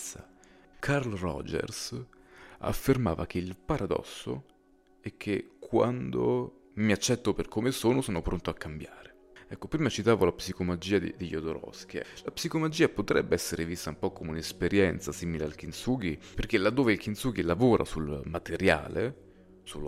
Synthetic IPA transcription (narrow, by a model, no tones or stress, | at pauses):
sakʰarlrɔ̰d͡ʒɛ̰rs | a̰fːermaːvak̟ʰeilpaɾad̪ɔ̰sːo̰ | ɛk̟ʰːekʰwa̰nd̪o | miat͡ʃːɛt̪ːoperkomesoːnosoːnopɾont̪oakːambjaːɾe | ɛkːopɾiːmat͡ʃit̪aːvolapsikomad͡ʒiːad̪ed̪eʎːod̪oɾɔ̰sk̟ilapsikomad͡ʒiːapot̪ɾɛbːeɛsːeɾevist̪aumpɔkːomeunespeɾjɛnt̪sasiːmilealk̟insuːɡiperk̟elːad̪ːoːveilkint̪suːɡilavoːɾʔa̰sulmat̪eɾja̰ːle | sul